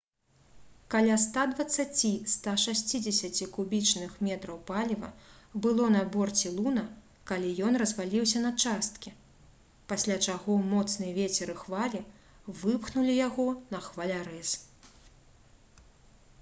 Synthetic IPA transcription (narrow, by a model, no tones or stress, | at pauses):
kalʲast̪ad̪vɐt̪sːat͡sʲist̪aʂasʲt͡sʲid͡zʲɛsʲɐt͡sʲikubʲit͡ʂnɨxmʲɛt̪ɾɐwpalʲivɐ̰bɨlˠɔnɐbɔrt͡sʲilˠunɐ | kalʲijɔnrɐzvalʲiwsʲɐnɐt͡ʂast̪kʲi | pasʲlʲat͡ʂaɣɔmɔt̪snɨjɛvʲet͡sʲɛɾɨxvalʲi | vɨpxnulʲijaɣɔnɐxvalʲaɾɛs